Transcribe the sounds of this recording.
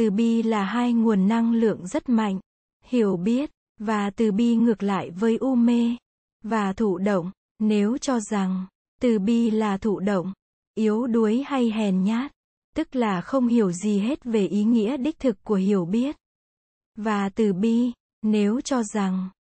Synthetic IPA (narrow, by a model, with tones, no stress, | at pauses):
ɨ˨˩ɓi˧laː˨˩ɦaː˧jŋu˨˩ənːa˧ŋlɨ̰˧˨əŋzə˦˥t̚ma̰˧˨jŋ̟ | hi˧˩əwɓi˦˥ət̚ | vaː˨˩t̪ɨ˨˩ɓi˧ŋɨ˨˩ək̚la̰ː˧˨jvəː˨˦jʔu˧me˧ | vaː˨˩t̪ʰṵ˧˨ɗə̰˧˨wŋ͡m | ne˨˦wt͡ɕɔ˧za˨˩ŋ | t̪ɨ˨˩ɓi˧laː˨˩t̪ʰṵ˧˨ɗə̰˧˨wŋ͡m | ʔi˨˦əwɗu˨˦əjha˧jɦɛ˨˩nɲaː˦˥t̚ | t̪ɨ˦˥k̚laː˨˩xə˧wŋ͡mhi˨˧˩əwzi˨˩ɦe˦˥t̚ve˨˩ʔi˨˦ŋḭ˧˥əɗï˦˥k̚t̪ʰɨ˨˩kːu˧˩əhḭ˧˩əwɓi˦˥ət̚ | vaː˨˩t̪ɨ˨˩ɓi˧ | ne˨˦wt͡ɕɔ˧za˨˩ŋ